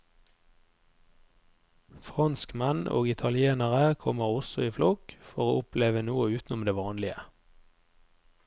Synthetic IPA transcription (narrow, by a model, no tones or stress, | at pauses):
fʁɑnskmɛno̰ːɡɪt̪ʰɑlɪeːnəʁəkʰɔməʁɔsɔiːflɔkfɔʁoːʊpleːʋənuːəʉːt̪n̩ʊmd̪eːʋɑːnlɪə